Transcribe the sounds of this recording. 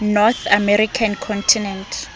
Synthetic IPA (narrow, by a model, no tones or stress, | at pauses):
nɔθamɛɾikʰankʰɔ̃ntʰinɛntʰ